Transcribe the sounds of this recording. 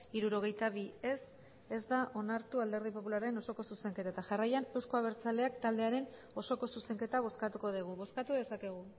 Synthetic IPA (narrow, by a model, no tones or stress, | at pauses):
iɾuɾo̞ɣ̞e̞jt̪aβie̞s | e̞zd̪aʔo̞naɾt̪uald̪e̞ɾðipo̞pulaɾeno̞so̞ko̞suse̞ŋke̞t̪aet̪aʝarajane̞wsko̞aβ̞e̞ɾt͡sale̞akt̪ald̪e̞aɾe̞n | o̞so̞ko̞suse̞ŋke̞t̪aβ̞o̞skat̪uko̞ð̞iɣ̞uβo̞skat̪uðe̞sake̞ɣ̞u